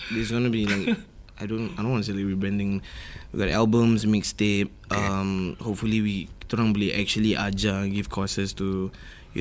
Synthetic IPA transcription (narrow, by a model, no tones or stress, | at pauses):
dɛs̬ɡɔ̃nubilaɪkajdõnaɪdõnwɔntuselaɪk̚ɹibɹɛ̃ndɪ̃ŋwḭɡɔtɛ̰lbə̃msmekstep̚ʔʌ̃mhop̚fuliwituɹɔ̃nwiliʔɛk̚t͡ʃuəliʔad͡ʒə̃ɡifkʰɔsəstu | jṵ